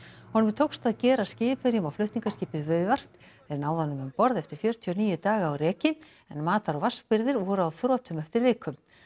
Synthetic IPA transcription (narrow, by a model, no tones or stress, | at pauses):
hɔnʏmɾt̪ʰowkst̪aðcɛːɾascɪːpɪɾjʏmawflœɥht̪niŋkascɪːpɪðvœːɥvar̥t̪ | ɛɾnaːwðanːʏmʏmpɔɾðɛft̪ɪɾ̥fjœːɾt̪ʰiɔniːjʏt̪aːɣaːwrɛːcɪ | ɛnmaːt̪aɾɔɣvar̥spɪɾðɪɾvɔɾʏaðθɾɔːt̪ʰʏmɛft̪ɪɾvɪːkʰʏm